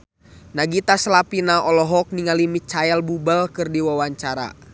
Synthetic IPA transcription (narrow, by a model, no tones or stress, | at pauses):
naɡit̪aslapinaʔɔlɔɦɔk̚niŋalimit͡ʃaɛlbubəlkɨrdiwawaɲt͡ʃaɾa̰